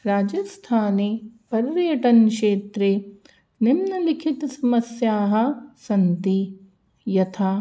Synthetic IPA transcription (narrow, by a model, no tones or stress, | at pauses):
ɾaːd͡ʒɐst̪ʰaːneːpɐɾɾjɐʈɐnʂeːt̪ɾeː | nimnɐlikʰit̪ɐsɐmɐsjaːɦɐ̆sɐnt̪i | jɐt̪ʰaː